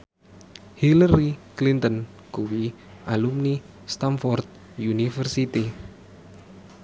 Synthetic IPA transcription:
hilaɾiklint̪ən | kuwi | ʔalumni | st̪anfɔrt̪̚ | junifərsit̪i

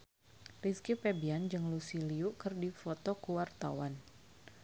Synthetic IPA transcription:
riskjupebiand͡ʒɨŋlusiliukɨrdifɔt̪ɔkuwart̪a̰wan

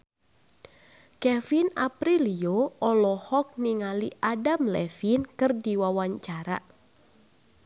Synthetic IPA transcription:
kɛfina̰pɾilioʔɔlɔhɔk̚niŋaliʔadamlɛfinkɨrdiwawaɲt͡ʃaɾa̰

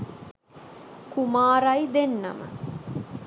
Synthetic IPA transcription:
kumaːɾɐjd̪enːɐ̰mə̰

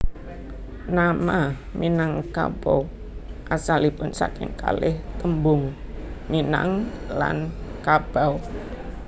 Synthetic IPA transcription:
namaminaŋka̰b̥aw | ʔasalipʊnsa̰kɪŋka̰lɪht̪əmbʊŋmina̰ŋ | la̰nkab̥aw

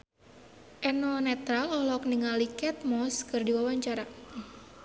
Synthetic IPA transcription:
ʔɛnɔnɛt̪ɾalɔhlɔk̚niŋalikɛt̪̚mɔskɨrdiwawaɲt͡ʃaɾa

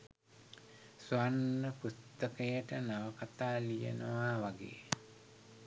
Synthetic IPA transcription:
suanːəpust̪əkəjəʈənaʋəkat̪aːlijə̰nəʋaʋaɡḛː

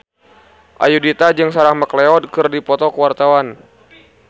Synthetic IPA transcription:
ʔa̰judit̪ad͡ʒɨŋsaɾahməklɛɔd̚kɨrdipɔt̪ɔkəwart̪awan

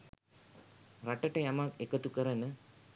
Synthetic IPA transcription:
rɐʈːɐʈɐjamaːkekɐt̪ukɐɾɐnə

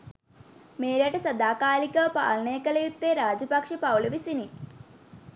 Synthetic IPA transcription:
meːɾɐʈɐsɐd̪aːkaːlikɐpa̰ːlɐɳeːkːɐlɐjut̪ːeɾaːd͡ʑɐpɐkʂɐpɐwlɐʋisini

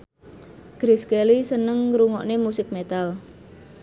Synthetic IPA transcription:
ɡ̥ɾiskelisənəŋɾuŋɔ̰ʔnemusɪk̚met̪al

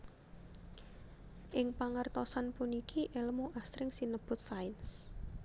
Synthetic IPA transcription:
ʔɪŋpaŋərt̪ɔsanpunikʰiʔeləmuʔasɾɪŋsinəb̥ʊ̤t̪̚saɪns

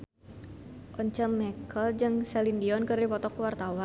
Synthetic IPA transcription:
ʔɔɲt͡ʃəmːɛkʰəld͡ʒɨŋsɛlindiɔnkɨrdipɔt̪ɔkuwart̪awa

